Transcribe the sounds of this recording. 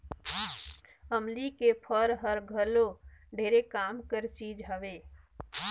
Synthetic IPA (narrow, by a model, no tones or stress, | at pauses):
əmlikepʰəɾɦəɾɡʱəloɖʱeːɾekaːmkəɾsiːd͡ʒɦəʋeː